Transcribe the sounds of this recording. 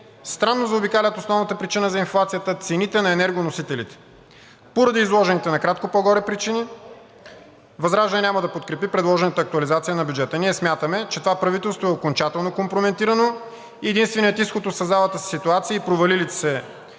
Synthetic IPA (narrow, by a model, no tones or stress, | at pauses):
st̪ɾanːozɐobikalʲət̪osnɔvnət̪əpɾit͡ʃinəzɐinflˠat̪sijət̪ət̪sɛnit̪ɛnɐɛnɛɾɡonosit̪ɛlḭt̪ɛ̥ | poɾɐd̪iːzlˠɔʒɛnit̪ɛnɐkɾat̪̚kopɔɡɔɾɛpɾit͡ʃini | vɐzɾaʒɛnɛnʲaməd̪ɐpot̪̚kɾɛpipɾɛd̪lˠɔʒɛnət̪əɐːk̚t̪uʊɐlizat̪sijənɐbʲjud͡ʒɛt̪əniɛsmʲjat̪əmɛt͡ʃɛt̪ovapɾɐvit̪ɛlˠst̪voɛokont͡ʃat̪ɛlˠnokompɾomɛnt̪iɾɐno | iɛd̪inst̪vɛnijɛt̪isxot̪osɐzalˠət̪əsi̥sit̪uat̪siəipɾovɐlilit̪sɛ